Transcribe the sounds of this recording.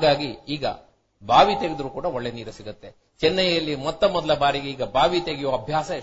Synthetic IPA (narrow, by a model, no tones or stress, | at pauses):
ɡaːɡiiːɡɐ̰ | bʱaːʋit̪eɡid̪ɐɾuːkuːɽɐoɭːeniːɾɐsiɡut̪ːe̞ | t͡ʃɛnːɐjjɐlːimɔt̪ːɐmɔd̪ɐlɐbaːɾiɡe̞iːɡɐbʱaːʋit̪eɡijoːɐbʱjaːsɐ